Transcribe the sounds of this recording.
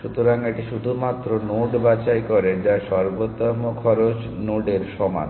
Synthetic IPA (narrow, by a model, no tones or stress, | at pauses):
ʃut̪oɾaŋeʈiʃud̪ʱumat̪ːɾonoɖbat͡ɕajkɔɾed͡ʑaʃɔɾbot̪ːɔmokʰɔɾot͡ɕ | noɖeɾʃɔma̰n